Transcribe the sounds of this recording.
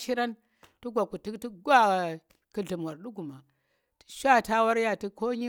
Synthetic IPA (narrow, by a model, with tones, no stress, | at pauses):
ʃi˦ɾa˦n | tu˦ɡʷa˨ku˨ti˦kti˦ɡʷa˦˨ | ki˨ɮi˨m˨wa˨ɾɗu˦ɡu˨ma˨ | ti̥˦ʃʷa˦˨ta˦wa˦ɾja˨ti˦ko˦ɲi˦